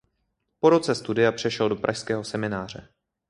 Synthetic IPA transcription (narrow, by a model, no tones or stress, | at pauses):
poɾo̞t͡sɛst̪udɪjapr̝̥ɛʃɛldo̞pɾʔaʃskɛːɦo̞sɛmɪnaːr̝ɛ